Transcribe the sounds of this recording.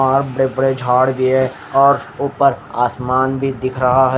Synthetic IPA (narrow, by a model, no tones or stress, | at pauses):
ɔːɾbɐɽebəɽed͡ʒʱaːɽbʱiɦɛ | ɔːɾʊpəɾaːsmaːnbʱid̪ɪkʰɾɐɦaɦɛ